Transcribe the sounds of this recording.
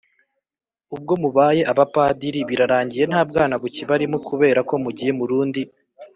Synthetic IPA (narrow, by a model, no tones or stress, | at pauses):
ub̚ɡo̞muβaːje̞ʔaβapadiɾiβiɾaɾaːɲɟije̞n̥haːbɡaːnaɡuciβaɾimukuβe̞ːɾako̞muɟije̞muɾuːndi